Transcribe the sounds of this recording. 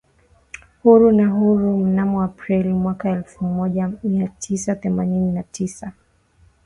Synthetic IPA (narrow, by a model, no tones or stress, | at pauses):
huɾunaɦuɾum̩namɔapɾilimwakaɛlfumɔʄamiatʰisaθɛmanininatʰisa